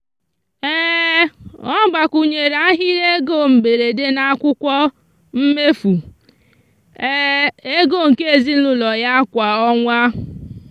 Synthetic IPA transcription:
eː˦ | ɔ˦ɡ͡ba˨kʷu˨ɲe˨ɾa˦ɦɪ˦ɾe˦ɡo˦˨m̩˨be˨ɾe˨de˦na˦kʷʊ˦kʷɔ˦ | m̩˦me˦fu˨˦ | e˦ɡo˦˨ŋ̩˨ke˦e˨zi˦n̩˦lʊ˦lɔ˨ja˦kʷa˨ɔ˦ŋʷa˦

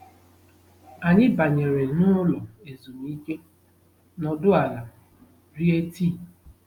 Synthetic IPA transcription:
a˨ɲɪ˦ba˨ɲe˨ɾe˨nʊ˦lɔ˨e˨zu˨m˦i˦ke˦ | nɔ˨dʊ˦a˨la˨ | ɾi˦e˦ti˦˨

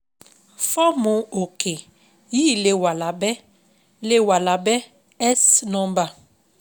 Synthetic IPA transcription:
fɔ˦mʊ̃˨o˨kʰe˨ | ji˦˨le˨wa˨la˨bɛ˦ | le˦wa˨la˨bɛ˦ | ɛ˦snɔ̃˦m˦ba˨

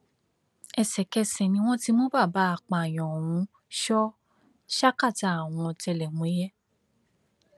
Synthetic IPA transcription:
ɛ˧sɛ˨kɛ˧sɛ˨nĩ˧˦w̃ɔ̃˦ti˦mo˦ba˦˨ba˨˦a˨k͡pa˨j̃ɔ̃˨wũ˨˦ | ʃɔ˦ | ʃa˦ka˦˨ta˨a˨w̃ɔ̃˧˨tɛ˧lɛ˨ŋũ˨˦jɛ˦

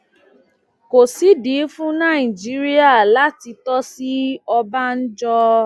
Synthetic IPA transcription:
ko˨si˨˦di˨˦fũ˦nã˦˨i˨d͡ʒi˨˦ɾi˦a˦˨la˦ti˧tɔ˦si˦ɔ˧ba˦n̩˦d͡ʒɔ˧

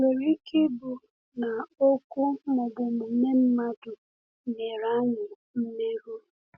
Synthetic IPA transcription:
ŋe˨ɾi˦ke˦bʊ˨ | na˨o˦kʊ˦mʊ˨ɡ͡bʊ˨mʊ˨me˦m̩˦ma˦dʊ˨ | ne˨ɾa˦ɲɪ˨ | m̩˦me˦ɾu˦˨

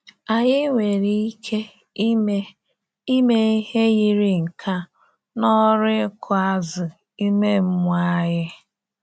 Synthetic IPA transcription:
a˨ɲɪ˦ŋʷe˨ɾi˦i˦kʰe˦ | i˦me˦i˦he˦ɣi˦ɾɪ˨ŋ̩˨kʰa˦ | nɔ˦ɾɪ˦kʰʊ˨a˦zɪ˨ | i˦me˦m̩˦mʷ˦a˦ɦɪ˦

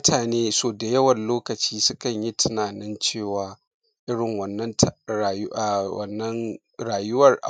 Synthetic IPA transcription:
ʊ˦tʰaː˨neː˦soː˨da˨jɐ˦wɐ˨nloː˦kɐ˨t͡ʃiː˦sʊ˦kɐ˨ɲji˦tʰɪ˦naː˨nɪ˦nt͡ʃeː˦˨waː˨ | ʔɪ˦ɽɪ˨ŋwɐ˨nːɐ˦ntː | wɐ̰˨nːɐ˦n | ɽaː˨jʊ˦wɐ˨rʔa̰˨

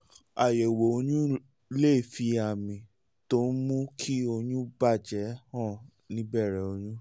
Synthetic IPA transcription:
a˨je˨wo˨o˧ɲũ˦ | le˦˨fi˧a˨mĩ˨ | to˦n˦mũ˦kʰi˦o˧jũ˦ba˦˨d͡ʒɛ˨˦hã˦˨ | nĩ˦bɛ˦˨ɾɛ˨˦o˧ɲũ˦

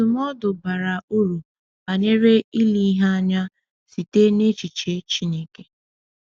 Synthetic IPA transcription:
ʊ˨mɔ˦dʊ˨ba˨ɾa˨o˦ɾu˨ | a˨ɲe˦ɾe˦i˦li˦ɦa˦a˦ɲa˦ | si˨te˦ne˦t͡ʃi˨t͡ʃe˦t͡ʃi˦ne˦ke˦

